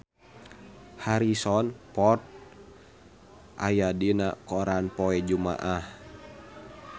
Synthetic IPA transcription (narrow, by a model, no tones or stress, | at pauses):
haɾisɔnpɔrt̪̚ | ʔa̰jadinakɔɾanpɔɛd͡ʒuma̰ʔah